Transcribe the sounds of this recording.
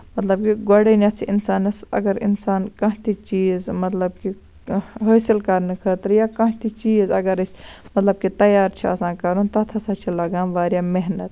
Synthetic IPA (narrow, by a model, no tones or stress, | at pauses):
mɐt̪lɐb̚kiɡoɽenjɐt̪t͡ʃʰiʔinsaːnɐsɐ̰ɡɐɾḭnsaːnkɐ̃ɦt̪ʰit͡ʃiːzmɐt̪lɐb̚ki | ɦəːsilkɐɾnɨkʰəːt̪ɾjaːkɐ̃ɦt̪ʰit͡ʃiːzɐ̰ɡɐɾɐt͡ʃmɐt̪lɐb̚kit̪ɐjaːɾt͡ʃʰiɐ̰sãːnkɐɾunt̪ɐt̪ʰɐsãːt͡ʃʰilɐɡaːnʋaːɾjaːmeɦnɐt̪